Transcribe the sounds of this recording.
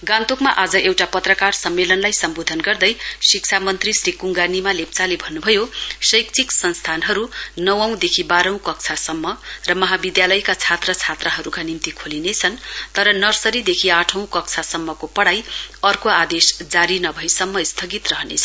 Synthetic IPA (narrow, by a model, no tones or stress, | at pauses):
ɡãnt̪okmaʔad͡zʌʔewʈapʌt̪rʌkarsʌmːelʌnlajsʌmbod̪ʱʌnɡʌrd̪ʌjsikt͡sʰamʌnt̪risrikuŋɡanimalep̚t͡salebʱʌnːubʱʌjosʌjk̚t͡sʰiksʌnst̪ʰanɦʌɾunʌwʌw̃d̪ekʰibaɾʌ̃w̃kʌk̚t͡sʰasʌmːʌrʌmʌɦabid̪jalʌjkat͡sʰat̪rʌt͡sʰat̪rʌɦʌɾukanimt̪ikʰolinet͡sʰʌnt̪ʌɾʌnʌrsʌɾid̪ekʰiaʈʰʌw̃kʌk̚t͡sʰasʌmːʌkopʌɽajʌrkoad̪esd͡zaɾinʌbʱʌjsʌmːʌist̪ʰʌɡit̪rʌɦʌnḛt͡sʰʌ